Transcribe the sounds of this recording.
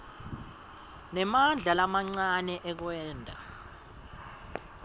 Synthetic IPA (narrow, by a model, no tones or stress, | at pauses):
nɛmand͡ɮʱalamaŋ͡ǀanɛʔɛk̬wɛːndʱa̰